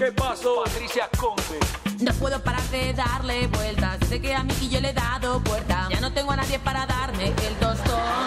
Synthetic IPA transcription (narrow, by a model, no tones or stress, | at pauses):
kepasoat̪ɾisjakompenopwe̞ðo̞paɾakeðaɾle̞βwe̞lt̪asse̞keamiɣiʝole̞ðaðo̞βwe̞ɾt̪aʝano̞t̪e̞ŋɡoanaðje̞paɾaðaɾmeʔeld̪ost̪o